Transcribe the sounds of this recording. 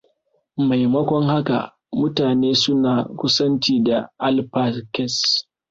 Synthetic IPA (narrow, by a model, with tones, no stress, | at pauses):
ma˨jmɐ˦kʷɔ˦ŋha˦ka̰˨ | mʊ˦taː˨neː˦sʊ˦naː˨kʷʊ˦sɐ˦nt͡ʃiː˦da˨ʔa˦lpa˦skɛ˦s